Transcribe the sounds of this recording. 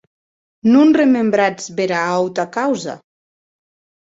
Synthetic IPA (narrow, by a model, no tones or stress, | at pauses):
nunremembɾad͡zβeɾaawt̪akawza̰